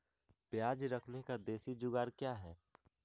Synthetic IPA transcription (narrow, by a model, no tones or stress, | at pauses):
pjaːd͡ʒɾəkʰnekad̪eːsid͡ʒʊɡaːɾkjaɦɛː